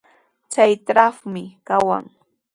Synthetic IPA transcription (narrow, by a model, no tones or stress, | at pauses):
t͡ʃajt̪ɾafmɪkawa̰ŋ